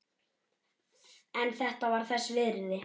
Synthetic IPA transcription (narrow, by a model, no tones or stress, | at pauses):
ɛnθɛht̪avaɾ̥θɛsːvɪɾðɪ